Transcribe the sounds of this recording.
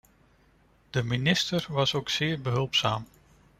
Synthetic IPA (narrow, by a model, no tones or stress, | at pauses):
d̥əminɪstəɹʋɑsowksɪːɹbəɦɵlˠpsaːm